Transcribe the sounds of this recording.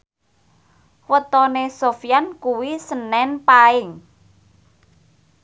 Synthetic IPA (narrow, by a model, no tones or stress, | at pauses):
wət̪ɔnesofijankuwisənːɛnpaɪŋ